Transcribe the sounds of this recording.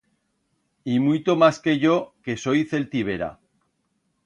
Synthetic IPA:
imujt̪omaske̞ʝo̞ke̞so̞jθe̞lt̪iβ̞e̞ɾa̰

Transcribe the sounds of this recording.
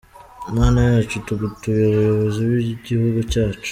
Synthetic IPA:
maːnajat͡ʃutuɡutuβeβujoβoziβiɟihuɡut͡ʃaːt͡ʃu̥

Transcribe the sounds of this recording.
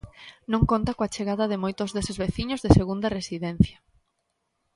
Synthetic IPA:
nõŋkont̪akoat͡ʃeɣaðɐðɪmojt̪ʊzðesɪzβeθiɲozðeseɣund̪ɐresiðen̟θjɐ

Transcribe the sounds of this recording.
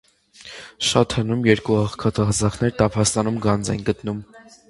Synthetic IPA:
ʃɑt̪hənumjɛɾkuɑχkʰɑt̪ʰɑhzɑχʰnɛɾt̪ɑpʰɑst̪ɑnumɡɑnd͡zɛ̰nɡət̪num

